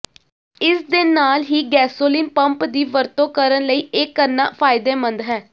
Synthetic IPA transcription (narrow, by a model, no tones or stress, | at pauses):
ɪsd̪eːnaːlɦiːɡɛːsoːliːnpəmpd̪iːʋəɾt̪õːkəɾənləiːɪkːəɾna̰ːpʰaːɪd̪eːmənd̪ɦɛː